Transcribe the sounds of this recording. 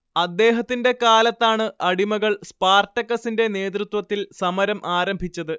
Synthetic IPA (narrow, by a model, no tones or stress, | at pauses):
ɐd̪ːe̞ːɦɐt̪ːinde̞kaːlɐt̪ːaːɳɨʔɐɽimɐɣɐɭspaːrtɐkːɐsinde̞ne̞ːt̪̬rut̪wɐt̪ːilsɐmɐɾɐmʔaːɾɐmbʱit͡ɕːɐðɨ